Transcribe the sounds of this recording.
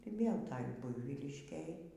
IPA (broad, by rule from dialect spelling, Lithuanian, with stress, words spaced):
ɪr ˈʋʲeːlˠ ˈtɐj ˈbʊɪʋʲiːlʲɪʃʲkʲeːj